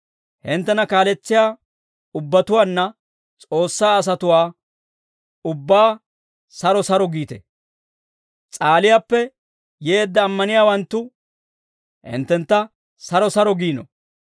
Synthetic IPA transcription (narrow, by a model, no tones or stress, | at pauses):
hɪnt̪ːɛnɐkaːlɛt͡sːɪjaː | ʊbːɐt̪ʊwaːnːɐ | t͡sʼo̞ːsːaːɐs̬ɐt̪ʊwaː | ʊbːaː | sɐɾɔsɐɾɔɡiːt̪ɛ̰ | t͡sʼaːlɪjaːpːɛ | jeːd̪ːɐːmːɐnɪjaːwɐnt̪ːʊ | hɪ̰nt̪ːɛnt̪ːɐ | sɐɾɔsɐɾɔɡiːnɔ̰